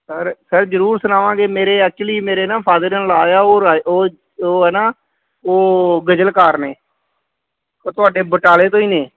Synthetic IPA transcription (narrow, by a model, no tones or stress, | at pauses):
səɾsəɾd͡ʒəɾuːɾsʊnaːʋãːɡeːmeːɾeːət͡ʃliːmeːɾeːnãːpʰaːd̪əɾənlaːjaːoːaoː | oːɦɛːnaː | oːɡəd͡ʒəlkaːɾneː | oːt̪ʊaːɖeːbəʈaːleːt̪õːiːneː